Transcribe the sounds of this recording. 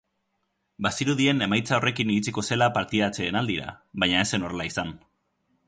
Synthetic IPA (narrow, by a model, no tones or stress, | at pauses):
basiɾuðie̞ne̞majt͡sao̞rʔe̞kiniɾit͡siko̞se̞lapaɾt̪iðat͡se̞ːnald̪iɾa̰βajɲaese̞no̞relaisan